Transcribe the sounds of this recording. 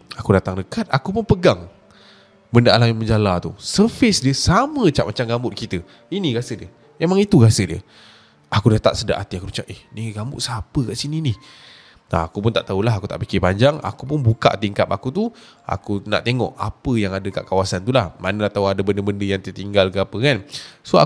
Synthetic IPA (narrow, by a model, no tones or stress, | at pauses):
akudat̪aŋdəkat̪̚akupʊnpəɡaŋ | bəndaʔalanməɲd͡ʒalat̪ṵsərfɪsdiəsamə̃t͡ʃaʔ̚mat͡ʃamɡambʊt̪̚kit̪ə | inĩɡasədiə | memaŋit̪uɡasədiə̰ | akudat̪a̰ʔsəda̰ʔat̪iakuɾut͡ʃaʔɛhniɡambʊt̪ʔ̪sapəkaʔsininɪ | na̰akupʊnt̪aʔt̪aulaɦakut̪a̰ʔpikɪpaɲd͡ʒaŋa̰kup̬ʊnbuka̰ʔt̪iŋkapakut̪ua̰kuna̰ʔt̪eŋɔ̰ʔa̰pəjaŋadəka̰ʔkawasant̪ulahmanəlat̪awadəbəndəbəndəjaŋt̪iət̪iŋɡalkəapəkansoa̰